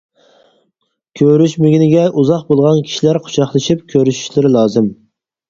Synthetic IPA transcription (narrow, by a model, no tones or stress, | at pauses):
kʲʰøɾyʃmɪɡʲinɪɡʲɛʔuzɑχbolˠʁɑnkʲʰi̥ʃilæɾqʰʊ̥ʃɑχlˠɨʃip̚kʲʰøɾyʃy̥ʃlɪɾɪlˠɑːzɨm